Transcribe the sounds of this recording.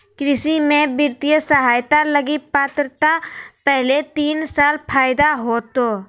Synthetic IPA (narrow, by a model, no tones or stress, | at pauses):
kɾɪsimẽbɪɾt̪ijəsəɦaːjt̪aləɡipaːt̪ɾət̪apɛɦlet̪iːnsaːlpʰaːjd̪aɦoːt̪oː